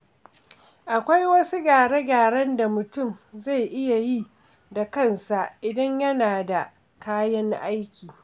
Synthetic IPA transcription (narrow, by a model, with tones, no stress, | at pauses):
ʔa˨kʷa˦jwɐ˦su˦ɡaː˨ɽe˦ɡaː˨ɽɐ˦nda˨mʊ˨tʊ˦˨mza˦˨jʔɪ˦ja˨ji˦ | da˨kɐ˦˨nsa˨ʔɪ˨dɐ˦ɲjɐ˦naː˨da˨ | kaː˦jɐ˦ŋʔa˦jkʲiː˨